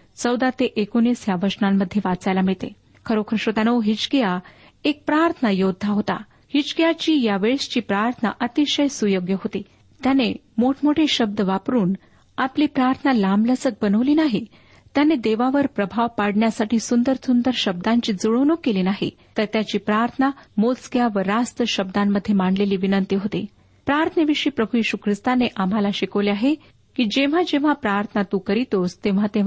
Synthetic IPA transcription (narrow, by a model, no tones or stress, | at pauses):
t͡səwd̪at̪eʔekoniːsjaʋəɾsnamːəd̪ʱːjeʋat͡sajlamiɭt̪ḛ | kʰəɾokʰɾəʂot̪anəʋɦit͡ɕkija | ek̚pɾaɾt̪ʰənajod̪ʱːaɦot̪a̰ | hit͡ɕkijat͡ɕiːjaʋeɭst͡ɕiːpɾaɾt̪ʰəna̰ʔət̪iɕəjsujoɡjəɦot̪iː | t̪jane | moʈʰmoʈʰeɕəb̚d̪əʋapɾuːn | apliːpɾaɾt̪ʰənalamləsək̚bənəʋliːnaɦi | t̪janed̪eʋaʋəɾpɾəbʱaʋpaɽɳjasaʈiːsund̪əɾt̪ʰund̪əɾɕəb̚d̪aɲt͡ɕiːd͡zuɭəʋnukːeliːnaɦḭ | t̪əɾt̪jat͡ɕiːpɾaɾt̪ʰənamot͡sɡjaʋəɾast̪əɕəb̚d̪amːəd̪ʱːjemaɳɖleliːʋinənt̪iɦot̪ḛ | pɾaɾt̪ʰənəʋiʂiːpɾəbʱujiɕukʰɾist̪aneʔam̤alaɕikəʋliaɦe | kiːd͡ʑeʋ̤ad͡ʑeʋ̤apɾaɾt̪ʰənat̪ukəɾit̪ost̪eʋ̤at̪e